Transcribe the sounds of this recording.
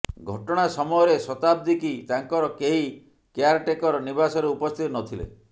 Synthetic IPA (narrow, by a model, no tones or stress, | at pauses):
ɡʱɔʈɔɽ̃asɔmɔjɔɾesɔt̪ab̚d̪ikit̪aŋkɔɾɔkeɦi | keaɾʈekɔɾɔnibasɔɾeupɔst̪ʰit̪ɔnɔt̪ʰilḛ